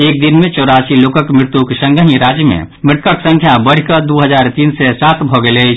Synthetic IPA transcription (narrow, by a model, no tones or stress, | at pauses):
eːk̚d̪inmẽt͡ʃɔʊɾasiloːkəkmɾɪt̪ukesə̃ŋɡəɦĩɾaːd͡ʒjəmḛ̃ | mɾɪʈ̪kəksə̃ŋkʰjabəɽ̤ikəd̪uɦəd͡ʒaːɾt̪iːnsesaːt̪bʱɔɡele